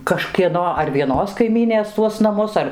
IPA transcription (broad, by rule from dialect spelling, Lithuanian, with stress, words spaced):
kɐʃʲkʲiɛˈnoː ɐr ʋʲiɛˈnoːs kɐɪˈmʲiːnʲeːs tuɔs nɐˈmʊs ˈɐr